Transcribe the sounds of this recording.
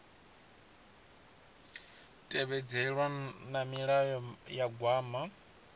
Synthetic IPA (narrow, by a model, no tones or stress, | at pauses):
tʼɛβɛd͡zɛɺwanamiɺajɔjaɡwaːma